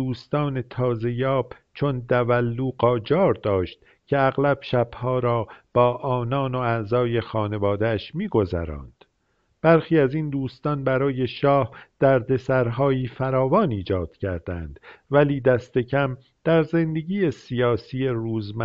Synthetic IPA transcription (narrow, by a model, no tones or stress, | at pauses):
uːst̪ɒːne̞t̪ʰɒːze̞jɒːb̥ | t͡ʃʰo̞nd̪ævælːuːɢɒːd͡ʒɒːɾd̪ɒːʃt̪ | cʲʰe̞æɣlæb̥ʃæb̥hɒːɾɒːb̥ɒːʔɒːnɒːno̞æzɒːje̞xɒːne̞vɒːd̪eæʃmiːɡo̞zæ̰ɾɒ̰ːnd̪̥ | b̥æɾxiːæzind̪uːst̪ɒnbæɾɒːje̞ʃɒːhd̪̥æɾd̪e̞sæɾɦɒːiːfæɾɒːvɒːniːd͡ʒɒːd̪̥cʰæɾd̪̥ænd̪̥væliːd̪æst̪e̞cʰæm | d̪̥æɾze̞nd̪e̞ɡiːe̞sijɒːsiːjeɾuːzmæ